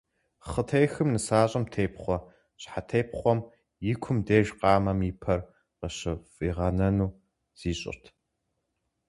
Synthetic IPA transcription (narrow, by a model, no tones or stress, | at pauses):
χətʰejxɨmnɨsaːɕʼɐmtʰeːpʰχʷɔ | ɕʼħatʰeːjpʰχʷɔm | jɪkʷʰʊmdeːʒqɑːmɐmiːpʰɐr | qəɕɐfʼiːʁɐnɐnuː | z̥iːɕʼɪ̰rtʰ